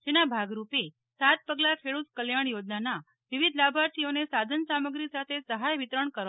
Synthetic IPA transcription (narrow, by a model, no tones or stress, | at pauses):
d͡ʒenabʱaɡɾupe | sat̪̚pəɡlakʰeɭut̪kəljaɳjod͡ʒnana | ʋiʋid̪ʱlabʱaɾsionesad̪ʱənsaməɡɾisat̪ʰesəɦajʋit̪ɾəɳkəɾ